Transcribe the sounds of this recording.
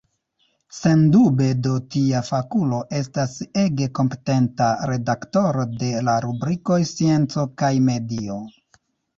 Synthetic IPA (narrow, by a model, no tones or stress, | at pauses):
se̞ndube̞do̞tiafakulo̞ʔe̞s̬tase̞ɡe̞ko̞mpe̞̥te̞ntaɾe̞dakto̞ɾo̞de̞laɾubɾiko̞jsie̞nt͡so̞kajme̞dio̞